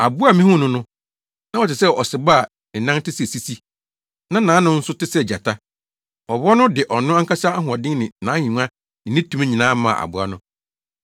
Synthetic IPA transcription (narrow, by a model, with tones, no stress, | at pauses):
a˨bʊ˦a˦mĩ˦hʊ̃˦nʊ̃˦nʊ̃˦ | nã˦ɔ˨tɪ˨sɛ˦ɔ˨sɪ˨ba˦˨ | ɪ˨nã˦ŋtɪ˦si˦˨si˦si˦ | nã˦nã˨˦nʊ̃˦n̩˦sʊ˦tɪ˦sɛ˦˨d͡ʑa˨tʰa˦ | ɔ˨bɔ˦nʊ̃˦dɪ˨ʔɔ˨nʊ̃˦a˦ŋ˦kʰa˦sa˦a˦ɦʊ̃˨ɔ˨dɪ̃˦ŋnɪ̃˨nãː˨˦ĩ˨ŋ˦a˦ | nɪ̃˨nɪ̃˦tʰũ˨˦mẽ˦ɲĩ˨nãː˦mã̰˦˨a̰˨bʊ˨˦a̰˦nʊ̃˦